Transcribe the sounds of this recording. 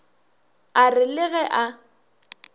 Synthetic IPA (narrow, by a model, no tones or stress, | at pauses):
arɪlɪɣɛʔa